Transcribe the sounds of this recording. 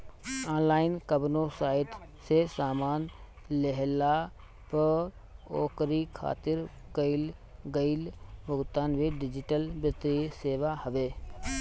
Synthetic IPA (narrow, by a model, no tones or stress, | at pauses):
aːnlaːɪnkəbnosaːɪʈ | sesaːmaːn | leɦla | pə | oːkɾikʰa̰ːt̪ɪɾ | kəɪlɡəɪlbəɡt̪aːnʋiɖɪd͡ʒɪʈəlbɪt̪ɾiseːʋahəʋeː